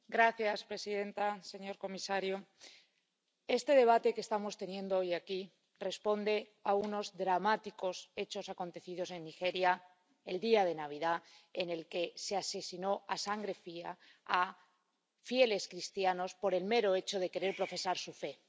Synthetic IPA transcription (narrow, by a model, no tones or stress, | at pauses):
ɡɾaθjaspɾe̞siðẽ̞nt̪ase̞ɲo̞ɾko̞misaɾjo | e̞st̪e̞ðe̞β̞at̪e̞kest̪amo̞st̪e̞njẽ̞nd̪oojaki | re̞spo̞nd̪e̞ | auno̞zðɾamat̪iko̞se̞t͡ʃo̞sako̞nt̪e̞θið̞o̞se̞nːixe̞ɾja | e̞ld̪iað̞e̞naβ̞iðaene̞lke̞se̞ase̞sino̞asaŋɡɾe̞fia̰ | a | fje̞le̞skɾist̪jano̞spo̞ɾe̞lme̞ɾo̞e̞t͡ʃo̞ð̞e̞keɾe̞ɾpɾo̞fe̞saɾsufe̞